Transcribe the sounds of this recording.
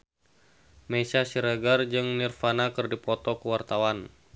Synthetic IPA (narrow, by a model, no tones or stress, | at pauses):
mesasiɾəɡard͡ʒɨŋnirfanakɨrdipɔt̪ɔkəwart̪awan